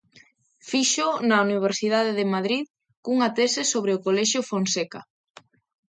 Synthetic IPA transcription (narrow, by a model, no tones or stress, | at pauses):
fiʃʊnɐuniβ̞eɾsiðaðeðɪmaðɾið | kuŋɐt̪ɛsɪsoβɾeʊkolɛʃjʊfonsɛka